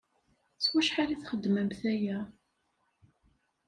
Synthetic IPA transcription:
swæʃħaliθχəd̪ːməmθæjæ

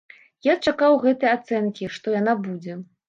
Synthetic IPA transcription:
jat͡ʂakawɣɛt̪ɨjat̪sɛnkʲiʂt̪ɔjanabud͡zʲɛ

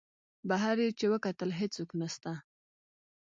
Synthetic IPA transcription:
baɦaɾjet͡ʃewəkat̪əlɦet͡suknast̪a

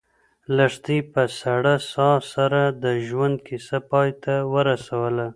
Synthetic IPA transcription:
laʂt̪ipəsaɽasɑsaɾad̪əʒwand̪̚kisapɑjt̪awəɾasawəla

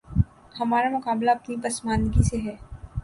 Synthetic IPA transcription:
hɐmaːɾamʊkaːblaɐpnipɐsmaːnɡiseɦɛː

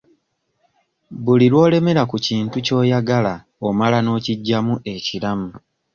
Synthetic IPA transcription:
βuliɾwo̞ːle̞me̞ɾakuciːntuco̞ːjaɡala | omalano̞ːciɟːamuʔe̞ciɾamu

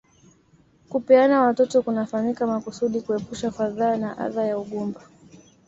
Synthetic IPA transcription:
kupɛanawatɔtɔkunafaɲikamakusuɗikuɛpuʃafaðaːnaʔa̰ðajauɠumba

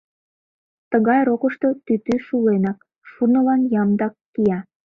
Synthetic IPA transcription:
t̪əɣɑjɾokəʃt̪ot̪yt̪yʃulenɑk | ʃunə̆lɑnjɑmd̪ɑkːiɑ

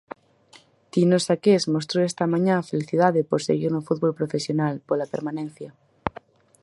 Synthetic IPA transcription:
t̪inosakesmos̬t̪ɾoest̪amãɲãfeliθiðaðepoɾseɣiɾnofud̪βolpɾofesjonalpolapeɾmãnẽn̟θja

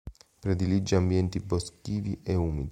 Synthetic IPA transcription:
pɾɛd̪ilid͡ʒːiambjɛnt̪ibɔskiːviʔɛuːmid̪i

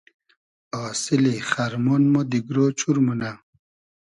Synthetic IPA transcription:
aːsiliχɐɾmonmod̪iɡɾoːt͡ɕuɾmuna

